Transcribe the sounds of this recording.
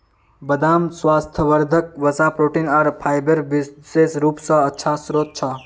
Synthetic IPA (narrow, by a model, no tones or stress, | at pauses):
bəd̪aːmswaːst̪ʰəʋəɾd̪ʱək̚ʋəsaːpɾoːʈinɐɾpʰaːjbəɾʋiseːsɾuːpsɐ̃ətːt͡ʃʰasɾoːt̪̚t͡ʃʰɐ